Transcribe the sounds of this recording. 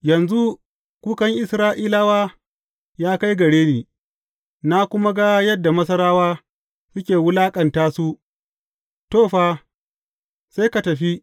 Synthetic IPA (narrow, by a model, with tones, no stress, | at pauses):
jɐ˨nzu˦ | kʷuː˦kɐ˦ŋʔɪ˨sɾaː˦ʔiː˦la˦waː˦ | jaː˦ka˦jɡɐ˨ɽeː˦neː˨ | na˦kʷʊ˦ma˦ɡa˦jɐ˦dːa˨mɐ˦sɐ˦ɾaː˦waː˦ | sʊ˦kʲeː˨wʊ˦laː˦kʼɐ˨ntaː˦su˦ | toː˦˨ɸa˦ | sa˦jka˨tɐ˨ɸi˦